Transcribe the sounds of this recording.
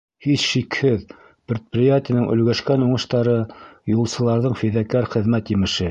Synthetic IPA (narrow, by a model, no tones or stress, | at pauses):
hisʃikhɘð | pɾʲet̪̚prɪjat̪ʲɪjnɘŋʔɵ̆lɡæʃkænuɴɤ̆ʃt̪ɑɾɤjulˠsɤ̆lˠɑɾðɤɴfiðækæɾχɘ̆ðmæt̪jɘ̆mɘ̆ʃɘ